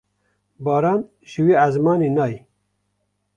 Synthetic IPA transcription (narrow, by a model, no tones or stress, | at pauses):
bɑːɾɑːn | ʒɨwiːazmɑːninɑːj